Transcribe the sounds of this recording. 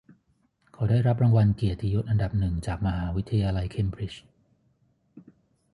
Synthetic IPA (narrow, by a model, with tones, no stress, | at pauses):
kʰaː˨˩˦daː˥˩jɾa˦˥p̬̚ɾaː˧ŋwa˧nki˨˩t̪ʰːi˧jo˦˥t̪̚ʔa˧nda˨˩p̚nɯ˨˩ŋt͡ɕaː˨˩k̚ma˧ɦaː˩˦wi˦˥t̪ʰːa˧jaː˧la˧jkʰe˧mbɾi˦˥t͡ɕ